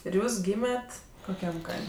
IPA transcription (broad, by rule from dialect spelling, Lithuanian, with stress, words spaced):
ɪr ˈjuːs ˈɡʲiːmʲɛtʲ koːˈkʲɛm ˈkɐɪmʲ